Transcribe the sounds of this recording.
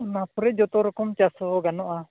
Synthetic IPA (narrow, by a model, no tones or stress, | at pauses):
ɔnapʰɔɾɛd͡ʒɔt̪ɔɾɔkɔmt͡ʃasɔɡanɔʔa